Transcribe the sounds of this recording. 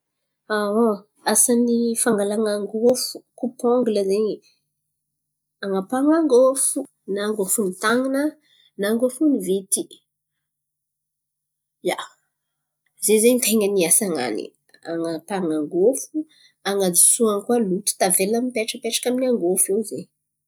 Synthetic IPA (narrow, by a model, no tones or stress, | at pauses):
awo | asanifaŋɡalaŋaŋɡofu̥kupɔŋɡuləzeɲ | aŋapaŋaŋɡofu | naŋɡofunit̪aŋinə | naŋɡofunivet̪i | ja | zezeɲt̪eŋəniasaŋa̰nḭ | a̰ŋapaŋaŋɡofu | aŋad͡zi̥suankwalut̪i̥t̪avelamipeʈ͡ʂəpeʈ͡ʂḁkaminiaŋɡofewzeɲ